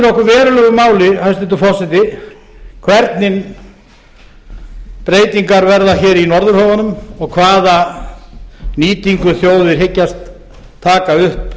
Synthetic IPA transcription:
nɔhkʏɾvɛːɾʏlœɣʏmaːwlɪhajst̪ɪnt̪ʏfɔsɪt̪ɪ | kʰvɛɾt̪nɪn | pɾeːjt̪iŋkaɾvɛɾðaçɛːɾinɔɾðʏɾ̥hɔːvanʏmɔɣkʰvaːða | niːt̪iŋkʏθjoːwðɪɾ̥ɦɪcːast̪ʰː | aːkaʏhp

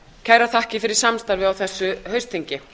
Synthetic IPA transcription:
cʰaːjɾaθahcɪfɪɾɪɾ̥samst̪aɾvɪawθɛsːʏɦœɥst̪ʰiɲcɪ

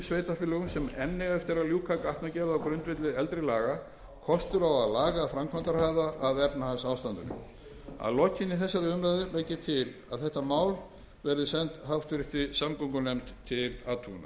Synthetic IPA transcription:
sveːjt̪afɪlːɛɣʏmsɛmɛnːɪɣɛft̪ɪɾaljuːkʰaːkaht̪nacɛːɾðawkɾʏnt̪vɪt̪lɪɛlt̪ɾɪlaːɣa | kʰɔst̪ʏɾawaðlaːɣafɾamkʰvant̪aɾhɦaːðaːðɛpnahansaːwst̪ant̪ʏnʏ̰ | a̰ðlɔcːɪnːɪθɛsːaɾɪʏmɾaðʏvejcɪt̪ʰɪla̰ðθɛht̪amaːwl | vɛɾðɪsɛnt̪ɦawft̪ʏɾɪt̪ɪsamkɔŋkʏnejmt̪ʰːɪlat̪ʰuːna̰

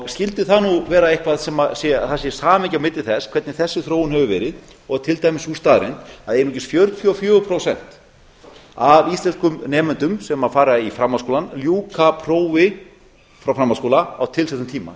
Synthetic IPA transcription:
ɔɣscɪlt̪ɪθanuvɛːɾaejhkvaðsɛmasjɛθasɪsaːmɛcamɪt̪lɪlθɛskʰvɛɾt̪nɪθɛsːɪθɾoːwʏnhɛvʏvɛ̰ːɾɪð | ɔɣt̪ʰɪlt̪ajmɪsust̪aːðɾḛjnt̪aðɛɾnucɪsfjœɾt̪fʰjʏɔfjœːɣʏpʰɾowsɛn̥t̪ | avist̪lɛnskʏmnɛːmʏnt̪ʏmsɛmafaːɾaifɾamːaðskowlanljuːkapʰɾoːwvɪ | fɾawfɾamːaðskowlaawt̪ʰɪlsɛt̪ːʏmt̪ʰiːma̰

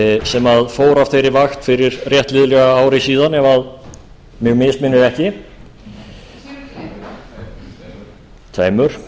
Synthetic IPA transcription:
sɛmaðfoːwɾafθejɾɪvaxt̪fɪɾɪɾrjɛht̪lɪðʏlɛɣaaːwɾɪsiːðanɛvað | mjɛɣmɪst̪mɪnːʏɾɛhcɪ | t̪ʰvḛːjmʏɾ̥

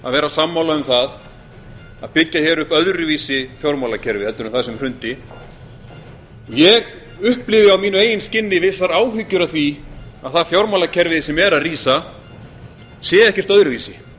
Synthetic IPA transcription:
a̰ðvɛːɾasamːawlaʏmθað | aðpɪcːaçɛɾʏhpœðɾviːsɪfjowɾmawlacʰɛɾvɪhɛlt̪ʏɾʏmθaðsɛmr̥ʏnt̪ɪ | jɛɣ | ʏhplɪvɪawmiːnʏeːjɪnscɪnːɪvɪsaɾaːwɦʏcːʏɾaðθviaðθaðfjowɾmawlacʰɛɾvɪðsɛmɛɾaðriːsa | sjɛːɛhcɛr̥t̪œðɾʏviːsɪ

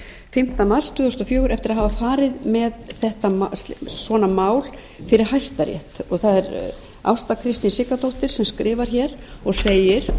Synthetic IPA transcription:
fɪm̥t̪amalst̪ʰʏːðʏst̪ɔfjœːɣʏɾɛft̪ɪɾaðɦavafaːɾɪðmɛðθɛht̪asvɔːnamaːwl | fɪɾɪɾ̥hajst̪aɾjɛ̰ht̪ɔɣθaðɛɾ | a̰wst̪akʰɾɪst̪insɪkat̪owht̪ɪɾ̥sɛmskɾɪːvaɾ̥çɛːɾɔɣseːjɪɾ̥

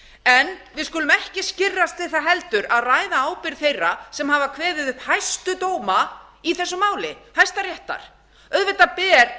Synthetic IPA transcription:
ɛnvɪðskʏːlʏmɛhcɪscɪrːast̪ʰɪð̥θaɦɛlt̪ʏɾaðraːjðaaːwpɪɾθejrːasɛmɦavakʰvɛːðɪðhajst̪ʏt̪oːwma | iθɛsːʏmaːwlɪhajst̪aɾjɛht̪a̰ɾ̥ | œðvɛt̪ːapɛːɾ

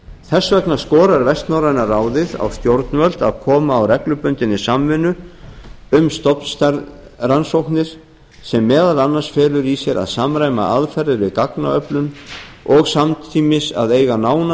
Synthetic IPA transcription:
θɛsːvɛknaskɔːɾaɾvɛst̪nawɾajnaraːwðɪða̰wst̪jowɾt̪nvœlt̪aðkʰɔːmaːwrɛklʏpʏnt̪ɪnːɪsamvɪnːʏ | ʏmst̪ɔpnst̪aɾðransowhknɪɾ̥ | sɛmːɛːðalanːansfɛːlʏɾisjɛɾʔa̰ðsamɾaːjma̰ʔaðfɛɾðɪɾvɪðkakna̰œplʏn | ɔɣsamt̪ʰiːmɪsa̰ðeːjɣanaːwna

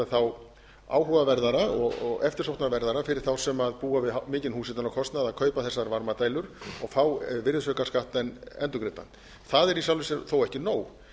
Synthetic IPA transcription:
aθaw | a̰ːwɦuvavɛɾðaɾaɔɣɔɣɛft̪ɪɾ̥owht̪navɛɾðaɾafɪɾɪ̥θawsɛmaðpuːavɪðmɪːcɪnhuːsɪnt̪anɔkʰɔst̪naðaðkʰœːɥpaθɛsːaɾvaɾmat̪aːjlʏɾɔɣfaːwvɪɾðʏsœːkaskaht̪aɛnɛnt̪ʏkɾɪt̪a̰n | θaðɛɾis̬awlvɪsɛθowɛhcɪnoːw

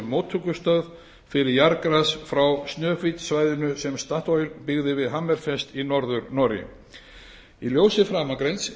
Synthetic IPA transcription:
mowt̪ʰːukʏst̪œð | fɪɾɪɾjaɾkɾasfɾawst̪nœːfit̪svaːjðɪnʏsɛmst̪aht̪ɔjʏɾpɪɣðɪvɪðɦamːɛɾ̥fɛst̪inɔɾðʏɾnɔɾɪ̰ | iljowsɪfɾaːmakɾejns

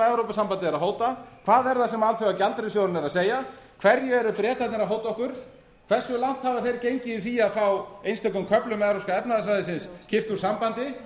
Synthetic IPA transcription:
ɛvɾowpasampant̪ɪɛɾaɦoːwt̪akʰv̥aːðɛɾθasɛmalθœɣacalt̪ɾɪsjoːwɾʏnɛɾaðseːja | kʰv̥ɛɾjʏɛɾʏpɾjɛːt̪at̪nɪɾaɦoːwt̪aɔhkʏɾ̥ | kʰv̥ɛr̥sːʏlan̥t̪haːvaθejɾcejɲcɪɪθiːjaðfawejnst̪ɛkʏmkʰœplʏmɛðɾoskaɛpnaðasvajðɪsɪnscɪft̪uɾ̥sampant̪ɪ

